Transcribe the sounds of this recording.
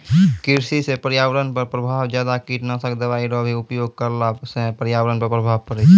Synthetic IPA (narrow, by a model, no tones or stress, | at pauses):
kɪɾsisepəɾjaːʋɾənpəɾpɾəbʱaːʋd͡ʒjaːd̪akiʈnasəkd̪əʋaːiɾɔbʱiʊpjoːɡ̚kəɾlaːbsepəɾjaːʋɾənpəɾpɾəbʱaːʋkəɾe